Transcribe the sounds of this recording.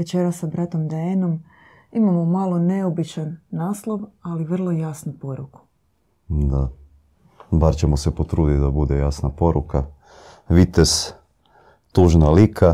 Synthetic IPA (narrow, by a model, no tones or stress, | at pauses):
ʋet͡ɕeɾasːabɾat̪o̞md̪eeno̞m | imamomalo̞ne̞obit͡ʃanːaːslˠo̞ʋaliʋr̩lˠo̞jasnupo̞ɾuku̥ | d̪a | baɾt͡ɕemosepot̪ɾuːd̪it̪d̪abud̪ejasnapo̞ɾuka | ʋit̪es | t̪uʒnalikʰa